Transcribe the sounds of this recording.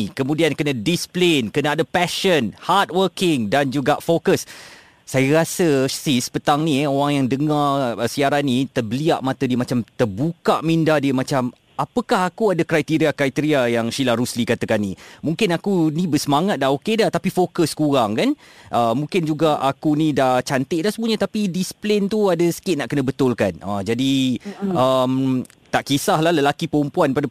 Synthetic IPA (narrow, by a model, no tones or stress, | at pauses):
kəmũdiankənə̃displenkənaːdəpɛʃənhat̪̚wərkɪŋdand͡ʒuɡaʔfokəsː | ajəɾasəsispət̪aŋnĩoɾaŋjaŋdəŋarəsiaɾanːĩt̪ərbəliaʔmãt̪ədiəmat͡ʃamt̪ərbukaʔmĩndahdiəmat͡ʃam | apəkaɦakuadakɾajt̪iɾiakɾajt̪əɾiajaŋʃilaɾuslikat̪əkanːĩmũŋkɪnakunĩbəsəmaŋat̪̚daɦokedaht̪apifokəskuɾaŋkan | ʔəmːũŋkɪnd͡ʒuɡaʔakunĩdaht͡ʃant̪ɪʔdahsəmbuəɲat̪apidisplent̪uadəsə̥kɪt̪̚naʔkənə̃bət̪ʊlkana̰d͡ʒadi | əm | t̪aʔkisahlahləlakipəumpuanpada